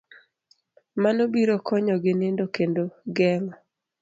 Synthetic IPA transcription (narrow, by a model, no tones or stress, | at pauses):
manobiɾokɔɲɔɡɪnendokendoɡɛŋɔ